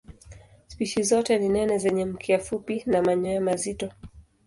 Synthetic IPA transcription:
spiʃizɔtɛninɛnɛzɛɲɛm̩kʰɛafupinamaɲɔjamazitɔ

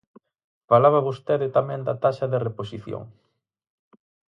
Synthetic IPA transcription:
falaβaβost̪eðɪt̪amɛ̃nd̪at̪aʃɐðereposiθjo̰ŋ

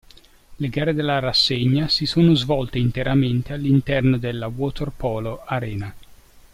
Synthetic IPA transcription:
leɡaːred̪elːaɾasːeɲːasisoːnozvɔlt̪eint̪eɾament̪ealːint̪ɛrnod̪elːawɔt̪erpɔːloaɾɛːna

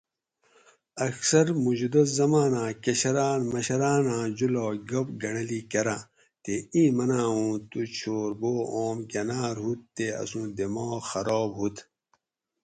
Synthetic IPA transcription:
ɐksɐɾmud͡ʑud̪ɐszɐmaːnãːkɐɕɐɾaːnmɐɕɐɾaːnãːd͡ʑuloːɡɐpɡɐɳɐliːkɐɾaː | t̪eĩːmɐnãːũːt̪ut͡ɕʰoːɾboːoːmkɐnaːɾɦut̪ːeɐ̰sũːd̪emoːxɐɾɔːbɦut̪ʰ

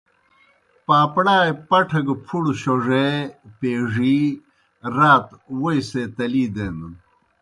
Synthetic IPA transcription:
paːpɽaːjpɐʈʰɐɡpʰuɽɕoʐepeːʐi | ɾaːt̪wojset̪ɐliːd̪enu

